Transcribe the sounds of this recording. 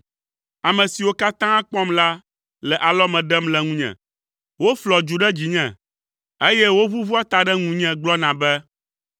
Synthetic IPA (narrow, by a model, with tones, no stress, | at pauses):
a˨mɛ̃˨si˨wo˦ka˦t̪ã˦k͡pɔ̃˦mla˦ | lɛ˨ʔa˨lɔ˦mɛ̃˨ɖɛ˦mlɛ˨ŋũ˦ɲɛ̰̃˨ | wo˦flɔ˨d͡ʒu˨ɖɛ˦d͡ʑi˨ɲɛ̃˨ | e˦jɛ˦wo˦βu˦vu˦a˦t̪a˨ɖɛ˦ŋũ˨ɲɛ̃˨ɡ͡blɔ˦nã˨bɛ˦